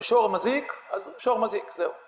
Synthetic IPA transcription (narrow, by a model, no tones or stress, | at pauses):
ʃoʁmazikazʃoʁmazikzeu